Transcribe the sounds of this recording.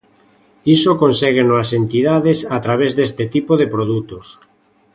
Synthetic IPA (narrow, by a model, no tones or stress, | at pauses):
isokonseɣ̞enoasent̪iðaðesat̪ɾaβ̞ezðest̪et̪ipoðepɾoð̞ut̪os